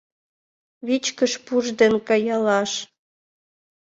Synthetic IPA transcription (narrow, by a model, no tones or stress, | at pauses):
βit͡ɕkəʃpuʒd̪enkɑjɑlɑʃ